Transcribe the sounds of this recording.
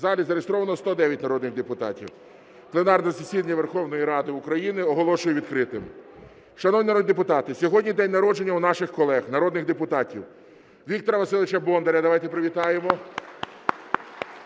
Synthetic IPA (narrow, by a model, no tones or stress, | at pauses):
zɑlʲizɐɾeest̪ɾɔʋɐnɔst̪ɔd̪ɛʋʲjɐtʲnɐɾɔd̪nɪɣd̪epʊt̪ɑ̰tʲḭw | plˠenɑrnɐsesʲid̪ɐnʲɐʋerxɔwnɔjiɾɑd̪ɪukɾɐjinɪɔɦɔlˠɔʃʊjeʋʲid̪kɾɪt̪ɪm | ʃɐnɔʋnʲinɾɔd̪ep̬ʊt̪ɑt̪ɪsʲɔɦɔdʲnʲid̪ɛnʲnɐɾɔd͡ʒe̞nʲːɐwnɑʃɪxkɔlˠɛxnɐɾɔd̪nɪɣd̪epʊt̪ɑtʲiw | ʋʲik̚t̪ɔɾɐʋɐsɪlˠɪt͡ʃɐbɔnd̪eɾʲɐd̪ɐʋɑjt̪epɾeʋʲit̪ɑjemɔ